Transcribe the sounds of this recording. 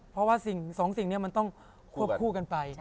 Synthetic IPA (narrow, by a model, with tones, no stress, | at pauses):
pʰɔ˧˥waː˥˩si˨˩ŋsɔː˩˦ŋsi˨˩ŋni˥˩ɐma˧nt̪ɔ˥˩ŋ | kʰu˥˩əp̚kʰuː˥˩ka˧npa˧j